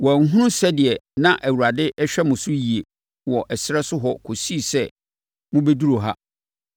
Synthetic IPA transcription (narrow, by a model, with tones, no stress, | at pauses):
wɔ˨æ˨ŋ̩˦ɦũ˦ʊ̃˦sɛ˦dɪ˨ɛ˨nã˨ʔæ˨wu˨ɾa˨dɪ˦ʔɛ˦ɕᶣɛ˦mʊ̃˨sʊ˦ji˨e˨ | wɔ˨ʔɛ˨sɪ˦ɾɛ˦sʊ˦ɦɔ˦kʰo˨si˦˨sɛ˦ | mʊ̃˦be˦du˦ɾo˨ɦa˦